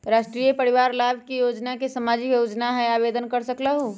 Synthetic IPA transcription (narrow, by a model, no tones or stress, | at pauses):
ɾaːʃʈɾijepəɾiʋaɾlabʱkijod͡ʒnakesəmaːd͡ʒikjod͡ʒnaɦɛ̃aːbed̪ənkəɾsəklaɦu